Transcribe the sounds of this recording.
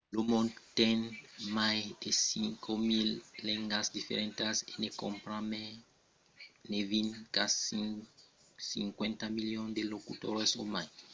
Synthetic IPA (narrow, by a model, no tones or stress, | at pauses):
lomõnd̪t̪enmajd̪esiŋkʰomilːẽŋɡasd̪ifḛɾẽnt̪asenekõmpɾame | nevinkas | sḭŋkwẽnt̪amiljõnd̪elokut̪oɾesomaj